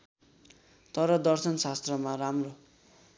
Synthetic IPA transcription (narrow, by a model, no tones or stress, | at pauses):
t̪ʌɾʌd̪ʌrsʌnsast̪rʌmaramro